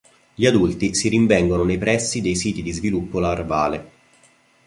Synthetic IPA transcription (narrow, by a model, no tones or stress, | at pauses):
ʎiad̪ult̪isiɾiɱvɛŋɡononejpɾɛsːid̪ejsiːt̪id̪izvilupːolaːrbaːle